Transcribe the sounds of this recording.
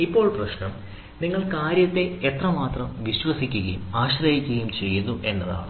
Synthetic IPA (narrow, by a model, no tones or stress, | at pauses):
ipːo̞ːɭprɐɕnɐm | niŋːɐɭkaːɾjɐt̪ːe̞et̪rɐmaːt̪rɐmʋiɕʋɐsikʲːuɣɐjumaːɕrɐɦikʲːuɣɐjumt͡ɕe̞jːunːuʔe̞nːɐða̰ːɳu